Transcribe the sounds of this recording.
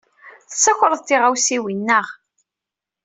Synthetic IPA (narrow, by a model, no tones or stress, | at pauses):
θəsːæçʷɾˤəðˤt̪ːɪʁawsiwinːəʁ